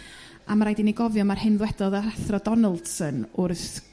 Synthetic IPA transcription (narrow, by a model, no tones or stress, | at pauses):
ʔamaɾajdiniɡɔvjɔmarhɨnðwɛdɔðaaθrɔdɔnəlˠd̥sənʊrθ